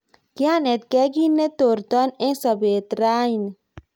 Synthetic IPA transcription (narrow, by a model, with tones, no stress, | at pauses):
kia˦nɛ˨t̪̚kɛ˦ɡi˦nːe˦t̪o˨ɾt̪ɔ˦nẽ˦sɔbe˨t̪ɾa˦in